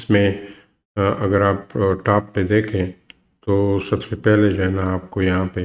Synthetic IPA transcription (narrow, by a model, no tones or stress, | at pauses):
smẽ | ɐɡəɾaːpʈaːpːed̪eːkʰẽ | t̪oːsɐbsepɛɦled͡ʒaɦɛnaːp̚kojɐɦãpe